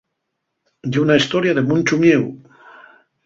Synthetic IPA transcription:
d̪unaist̪oɾjaðemunʲt͡ʃumjew

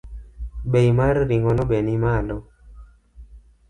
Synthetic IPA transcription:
bejmaɾɾiŋɔnɔbenimalɔ

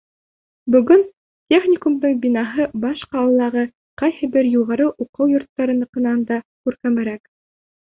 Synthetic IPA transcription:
bɵ̆ɡɵn | t̪ʲeχnʲɪkumd̪ɤɴbʲinɑɦɤbɑʃqɑwɤ̆lːˠɑʁɤ | qɑjhɘbɘɾjuʁɑɾɤʔuqɤwjŏɾt̪ːɑɾɤ̆nɤ̆qɤ̆nɑnd̪ɑkʉɾkæmɘ̆ɾæk

